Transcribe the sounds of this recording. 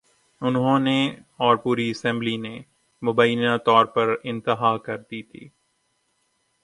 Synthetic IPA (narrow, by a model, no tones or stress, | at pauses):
ʊnɦõne | ɔːɾpuːɾiɐsɛ̃mbline | mʊbəjnãt̪ɔːɾpɐɾɪ̃nt̪ɪɦakɐɾd̪iːt̪ʰḭː